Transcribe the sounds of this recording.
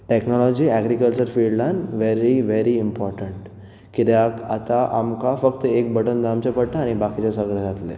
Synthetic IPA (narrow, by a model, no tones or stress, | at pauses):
ʈeknɔlɔd͡ʑiːɛɡɾikəlt͡ɕəɾfiɖlanʋeɾiʋeɾiimpɔɾʈəɳʈ | kit̪akat̪aʔamkafəkt̪əek̚bəʈənd̪amt͡ɕapəɽʈ̪aːɽ̃ibakit͡ɕasəɡled͡zʱat̪lḛ